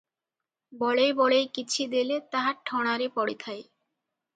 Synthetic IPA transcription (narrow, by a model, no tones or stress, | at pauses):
bɔɭejbɔɭejkit͡ɕʰid̪elet̪aɦaɾʈʰɔɽ̃aɾepɔɽit̪ʰaj